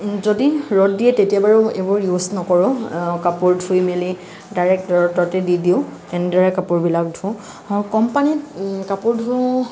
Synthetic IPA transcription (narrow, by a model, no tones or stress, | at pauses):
zodiɹɔdiɛtetiabaɹʊebɔɹjuznɔkɔɹɔ̃kapoɹdʱujmeli | daɹɛk̚tɔɹɔtɔtɛdidiʊ | ɛnɛdaɹɛkapʊɹbilakdʱʊ̃ | kɔmpanitkapʊɹdʱʊ